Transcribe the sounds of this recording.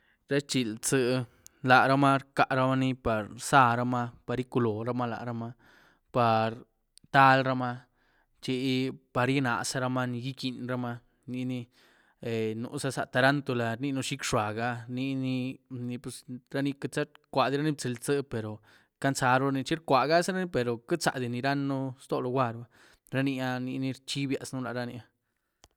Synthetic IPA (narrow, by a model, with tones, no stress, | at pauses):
ɾa˦t͡ʃi˧lt͡sɨ˧ | la˨ɾa˦ma˦ɾka˧ʔɾa˧˦ma˧ni˧pa˨ɾsa˧ɾa˧ma˦˧pa˨˧ɾi˦ku˧lo˨ɾa˧ma˦la̰˨ʔɾa˧ma˧ | pa˨ɾ | t̪a˦lɾa˧ma˧ | t͡ʃi˧pa˧ɾji˦na̰˨sa˧ɾa˧ma˦ni˧ɡi˦ki˧nɾa˦ma˧ | ni˧ni˧ | e˨nṵ˧sa˧sa̰˧t̪a˧ɾa˦nt̪o˧la˧ɾni˦˧nu˦˧ʃi˦kʂa˨ɡa˧ni˧ni˧ni˧pu˧sɾa˦ni˧ka˧t͡sa˦ɾkʷa˨d̪i˧ɾa˦ni˦b̚t͡se˧lt͡sɨ˦pe˨ɾo˨ | ka˦nt͡sa˧ɾo˧ni˧t͡ʃi˦ɾkʷa˨ɡa˦sɾa˦ni˦pe˨ɾo˨ka˦t͡sa̰˨d̪i˧˨ni˧ɾa˦nːu˦st̪o˧lo˧ɡʷa˧ɾba˦ | ɾa˧ni˧a˧ni˧ni˧ɾt͡ʃi˦bja̰˧snu˦la̰˨ɾa˧ni˧a˧